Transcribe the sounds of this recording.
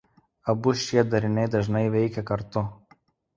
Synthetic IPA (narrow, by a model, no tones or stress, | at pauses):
ɐbʊʃʲiɛd̪ɐɾʲɪnʲɛɪd̪ɐʒnɐɪʋʲɛɪkʲɛkɐɾt̪ʊ